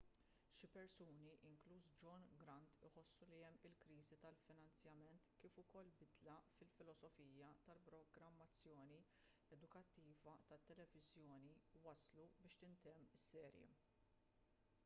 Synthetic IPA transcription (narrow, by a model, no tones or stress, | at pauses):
ʃɪpɛɾsuːniʔɪŋkluːsd͡ʒɔnɡɾɐnt̪ɪħɔsːuliɛmːɪlkɾiːzit̪ɐlfɪnɐnt͡sjɐmɛnt̪kiːfʊkɔlːbɪd̪lɐfɪlfɪlɔsɔfiːjɐt̪ɐlpɾɔɡɾɐmːɐt͡sːjɔːni | ɛd̪ʊkɐt̪ːiːvɐt̪ɐt̪ːɛlɛvɪzjɔːniwɐslubɪːʃt̪ɪnt̪ɛmːsːɛːɾjḭ